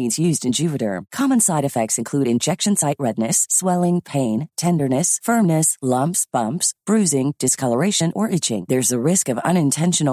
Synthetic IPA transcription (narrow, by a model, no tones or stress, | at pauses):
nzjʉzdɨ̃nd͡ʒʉpɨɾə̰˞kʰɑmə̃nsaɪɾɨfɛk̚tsɨ̃nkʰl̥ʉɾɨ̃nd͡ʒɛkʃɨ̃nsaɪʔɹɛdⁿnɨswɛlˠɪ̃ŋpʰẽɪ̃ntʰɛ̃ndə˞nɨsfɜ̃˞mnɨslʌ̃mpsb̥ʌ̃mpsb̥ɹʉzɪ̃ŋd̥ɨskʰʌlˠə˞eɪʃɨ̃nʔə˞ʔɪt͡ʃɪ̰̃ŋðə˞zɨɹɪskʌvʌ̰̃ñɨ̃ntʰɛ̃nʃɨn